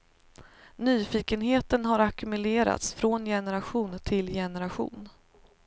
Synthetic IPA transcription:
nyːfiːkənɦeːt̪ənɦaɾakɵmɵleːɾa̰t̪sfɾonjɛnɛɾaɧuːnt̪ʰɪljɛnɛɾaɧṵːn

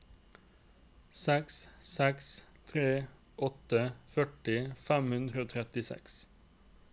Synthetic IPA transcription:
sɛkssɛkst̪ʰɾeː | ʔɔt̪əfœʈɪfæmhʉnd̪ʁəoːt̪ʰɾɛt̪ɪsɛ̰ks

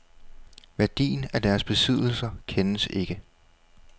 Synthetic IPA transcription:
ʋæɐd̥ḭːnæd̥æɐsb̥e̝sið̞̰ˠl̩sɐkʰenəse̝ɡ̥ə

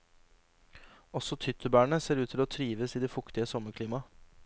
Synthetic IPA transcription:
ɔsɔt̪ʰʏt̪ʰəbæːɳəseːɾʉːt̪ʰɪloːt̪ʰɾiːʋəsiːd̪ɛfʊkt̪ɪəsɔməkʰliːmɑ

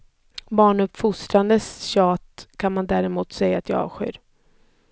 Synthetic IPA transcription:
bɑːɳɵpfʊst̪ɾand̪əsɕɑːt̪kʰanmand̪æːɾɪmuːt̪sɛjːaːt̪jɑɑ̰ːvɧɪ̰ːɾ

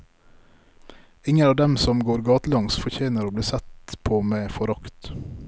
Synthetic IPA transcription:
ɪŋənɑːʋd̪ɛmsɔmɡoːɾɡɑːt̪əlɑŋsfɔçeːnəɾoːbliːsɛt̪pʰoːmeːfɔɾɑkt̪

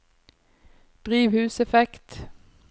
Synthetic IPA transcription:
d̪̥ʁiːʋhʉːsɛfɛkt̪

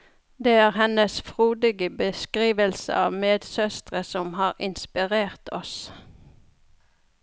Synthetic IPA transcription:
d̪eːæːʁhɛnəsfʁuːd̪ɪɡəbəskʁiːʋəlsə̰ɑ̰ːʋmeːd̪sœst̪ʁəsɔmhɑːʁɪnspɪʁeːʁt̪ʰɔs

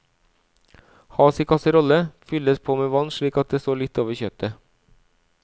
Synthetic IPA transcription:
hɑːsɪːkʰɑsəɾɔləfʏləspʰoːmeːʋɑnʃɭiːkɑt̪̚d̪eːst̪oːlɪt̪ːoːʋəçœp̚t̪ə

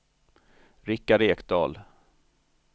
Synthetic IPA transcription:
ɾɪkːaɖeːkd̪ɑːl

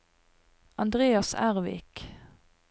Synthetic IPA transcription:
ɑnd̪ʁeːɑsæ̰ʁʋɪ̰ːk

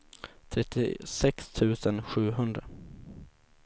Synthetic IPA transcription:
t̪ʰɾɛt̪ːɪ̰sɛkst̪ʰʉ̟ːsənɧʉ̟ːɦɵnd̪ɾa

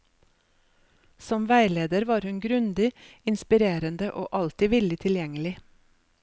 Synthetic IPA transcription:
sɔmʋæɪleːd̪əɾʋɑːɾhʉnɡɾʉnd̪ɪ | ɪnspɪɾeːɾənd̪əʔo̰ːʔɑlt̪ɪʋɪld̪ɪt̪ʰɪljɛŋəlɪ

